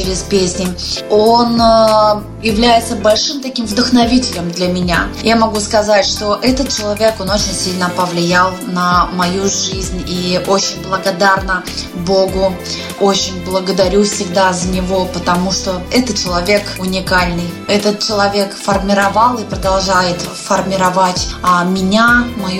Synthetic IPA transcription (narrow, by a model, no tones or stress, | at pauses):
t͡ɕɾʲɪspʲesʲnʲɪon | jɪvlʲæjɪt̪səbɐlʲʂɨmt̪ɐkʲimvd̪əxnɐvʲitʲɪlʲɪmd̪lʲɐmʲɪnʲajamɐɡuskɐzatʲʂt̪o̞ʔɛt̪ət̪̚t͡ɕɪlˠɐvʲe̞ko̞no̞t͡ɕɪnʲsʲilʲnəpəvlʲɪjalˠnəmɐjuʐɨzʲnʲiʔot͡ɕɪnʲblˠəɡɐd̪arnə | bo̞ɡʊ | ot͡ɕɪnʲblˠəɡəd̪ɐɾʲufsʲɪɡd̪azənʲɪvo̞pət̪ɐmuʂt̪o̞ɛt̪ət̪̚t͡ɕɪlˠɐvʲe̞kʊnʲɪkalʲnɨjɛt̪ət̪̚t͡ɕɪlˠɐvʲe̞kfərmʲɪɾɐvɑlˠɨpɾəd̪ɐlˠʐajɪt̪fərmʲɪɾɐvatʲmʲɪnʲamɐj